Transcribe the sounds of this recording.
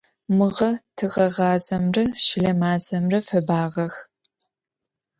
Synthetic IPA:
mɨʁɐtʰɨʁɐʁɑːzɐmrɐʃɪɮɐmaːzɐmrɐfɐbaːʁɐx

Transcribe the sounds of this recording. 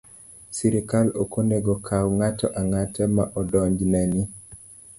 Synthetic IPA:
siɾikalokoneɡokʰawŋatɔʔaŋatɛmaʔɔdɔɲd͡ʒnɛni

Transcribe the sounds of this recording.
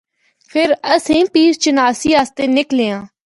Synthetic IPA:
pʰɪɾəsĩːpiːst͡ʃənaːsiːaːst̪eːnɪkleːãː

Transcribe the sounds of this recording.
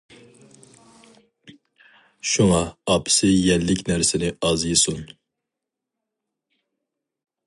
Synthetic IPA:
ʃuŋɑɑpʰɪ̥sɪjɛnlːɪkʲnæɾsɪnɪɑzjɨsun

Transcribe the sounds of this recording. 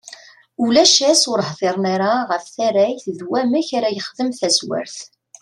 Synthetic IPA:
ulæʃæsʊɾhðɪɾˤnaɾaʁəfθæɾæjθðwæmæçaɾæjəχðəmθæswæ̰ɾθ

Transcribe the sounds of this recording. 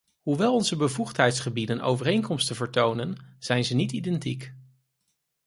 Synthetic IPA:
ɦuʋɛlˠɔnzəbəvuχtɦɛjtsχəbidənʔo̰wvərejŋkɔmstəvəɹtownənz̥ɛjnzənitidɛntḭk

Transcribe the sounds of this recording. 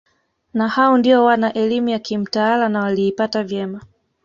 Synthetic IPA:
nahaɔndiɔwanaʔɛlimujakim̩taalanawaliːpatavjɛma

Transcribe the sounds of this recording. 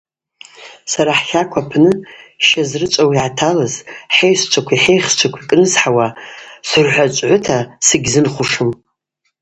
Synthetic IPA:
saɾaħxʲakʷʰapʰnɨʃazrɨt͡ʃʷʼawiʕatʰalazħejst͡ʃʷʰakʷʰiħe̞jχt͡ʃʷʰakʷʰikʼnɨzħawasɨrħʷat͡ʃʷʼʕʷʊtʰasɨɡʲzɨnχʷʊʂɨm

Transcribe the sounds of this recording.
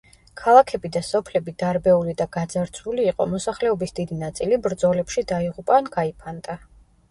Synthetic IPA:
kʰalˠakʰɛbid̪asɔpʰlɛbid̪aɾbɛulid̪aɡ̥ad̪zaɾt̪sʰuliːqʼɔ̰mɔsaχlɛɔbisd̪id̪inat̪sʼilibɾd̪zɔlɛpʃid̪aiʁupʼanɡaipʰand̪ʼa

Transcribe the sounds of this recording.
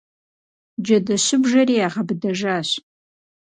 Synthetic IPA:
d͡ʒadaʃʷɪbʒariaʁabdaʒaʃʷ

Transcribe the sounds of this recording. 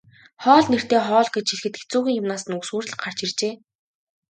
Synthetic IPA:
χɔːɮner̥t̪eːχɔːɮɡet͡ɕxiɮxɘ̆t̪̚ɡet͡suːɣʲiːŋjʊmnaːsə̆nuswuːrɮ̆χɢar̥t͡ɕirt͡ɕeː

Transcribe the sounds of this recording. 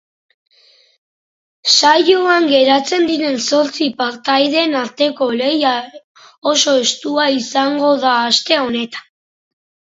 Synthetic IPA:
sajuaŋɡe̞ɾat͡se̞nd̪iɾe̞nso̞ɾt͡sipaɾt̪ajðe̞ːnaɾt̪e̞ko̞le̞ja | oso̞e̞st̪uaisaŋɡo̞ðaːst̪e̞o̞ne̞t̪ḁn

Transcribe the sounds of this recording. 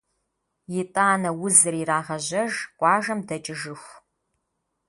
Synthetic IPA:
jɪtʼaːnɐwʊzɨɾiraːʁɐʑɐʒqʷʼɑːʒɐmdɐt͡ʃʼɪʒɨxʷ

